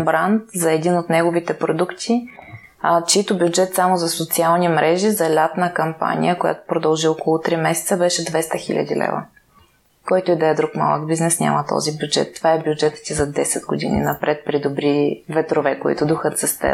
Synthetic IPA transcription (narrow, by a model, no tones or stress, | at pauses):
bɾant̪zɐɛd̪inot̪nɛɡovit̪ɛpɾod̪ukt̪ʰi | t͡ʃit̪ʊbjʊd͡ʒɛt̪samozɐsot̪sialˠnimɾʔɛʒizɐlʲap̪nəkɐmpa̰nʲḭjəkoja̰t̪o̥pɾod̪ɐlˠʒiɔkolˠʊt̪ɾimɛsɛ̥t̪səbɛʃɛd̪vɛst̪əxḭlʲə̰d̪ḭlɛ̰və̰ | kɔjt̪ʊid̪ɐɛd̪ɾukma̰lˠə̰ɡbiznɛsnʲa̰mət̪ɔ̰zibʲjud͡ʒɛ̰t̪ːovaɛbjud͡ʒɛt̪ə̥t̪izɐd̪ɛsɛd̪ɡod̪ḭnḭnɐpɾʔɛt̪̚pɾid̪obɾivɛt̪ɾovɛkoḭt̪ʊd̪uxət̪zɐst̪ɛ̰